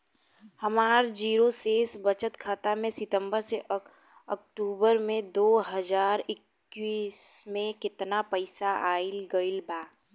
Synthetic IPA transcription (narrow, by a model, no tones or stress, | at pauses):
hɐmaːɾd͡ʒiːɾoseːsbɐt͡ʃət̪kʰaːt̪amẽsɪt̪ə̃mbəɾse | ɔk̚ʈuːbəɾmẽd̪oːɦɐd͡ʒaːɾɪkː | wiːsmẽkɪt̪napɐɪsaʔaːɪlɡəɪlbaː